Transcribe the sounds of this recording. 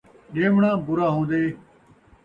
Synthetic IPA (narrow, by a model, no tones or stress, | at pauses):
ɗeːmɳãːbʊɾaːɦõːnd̪eː